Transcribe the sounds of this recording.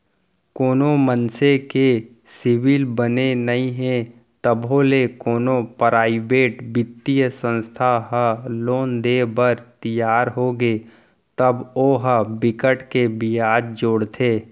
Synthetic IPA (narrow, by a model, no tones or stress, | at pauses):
koːnomənseke | sɪʋilbənenɐɦĩɦẽ | t̪əbɦolekoːnopɾaːɪbeːʈbɪt̪ːijəsə̃nst̪ʰaɦəloːnd̪eːbəɾt̪ɪjaːɾɦoːɡe | t̪əboːɦəbɪkəʈkebɪaːd͡ʒ̪̚d͡ʒoɽt̪ʰeː